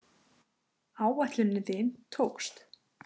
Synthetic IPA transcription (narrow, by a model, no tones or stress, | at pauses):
aːwvɛht̪lʏnːɪðɪnt̪ʰoːwkst̪